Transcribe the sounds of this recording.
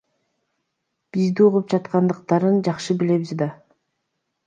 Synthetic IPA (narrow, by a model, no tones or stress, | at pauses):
b̥izd̪iuʁup̚d͡ʒɑt̪qɑnd̪ɯqt̪ɑɾɯnd͡ʒɑqʃɯbile̞βizd̪ɑ